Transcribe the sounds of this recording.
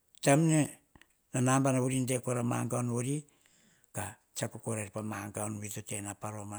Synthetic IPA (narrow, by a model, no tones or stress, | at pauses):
tamne | nanambanaβuɾindekoɾamaŋɡaonoɾi | ka | t͡ʃakukoɾaɾpamaŋɡaonwitotenapaɾo̞ma